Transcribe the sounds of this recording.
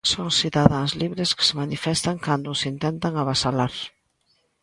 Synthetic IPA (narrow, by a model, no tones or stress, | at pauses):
soŋsiðaðaŋzliβɾeskɪ̥semanifɛst̪aŋkand̪ʊsint̪ɛnt̪aŋaβasalaɾ